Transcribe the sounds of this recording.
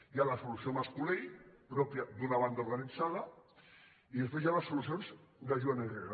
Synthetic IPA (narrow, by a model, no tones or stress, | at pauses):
jalasulusiomaskulejpɾɔpjad̪unaβ̞and̪allaninsaðɐ | iðespwezjalɐsːulusjonzdaʒuanenreɣa